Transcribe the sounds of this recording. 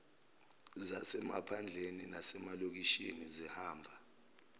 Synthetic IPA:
zasɛma̰pʰand͡ɮʱeninasɛmalok̬iʃinizɛhaːmbʱa

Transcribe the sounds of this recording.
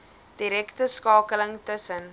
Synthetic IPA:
d̥iɾɛktəskɑːkələŋtəsən

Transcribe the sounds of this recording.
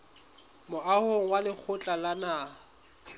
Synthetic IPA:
mʊʔahoŋ̩walɪk͡xʰʊt͡ɬʼalanaː

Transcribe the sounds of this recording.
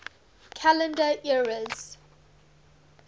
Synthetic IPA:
kʰalə̃ndəʔiɹəz̥

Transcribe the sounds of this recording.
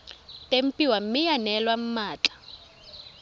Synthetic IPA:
tʼem̩pʼiwam̩mɪjanɛlwam̩maːt͡ɬʼḁ

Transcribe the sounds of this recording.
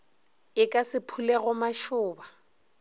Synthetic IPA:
ɪkʼasɪpʰuleɣʊmaʃʊːba

